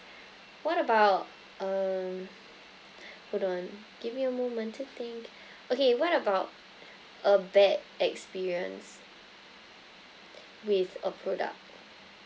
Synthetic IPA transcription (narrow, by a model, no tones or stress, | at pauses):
wɔɾəbaʊt̚ | ʌm | pʰuɾɔ̃n | ɡ̥ivjuəmɔmʌ̃ntʰit̪ɪ̃ŋk | ʔokewɔɾəbaʊt̚ | ʔəbɛdɛkspiɹiə̰̃ns | wɪðəpʰɹɔdə̰k̚t̚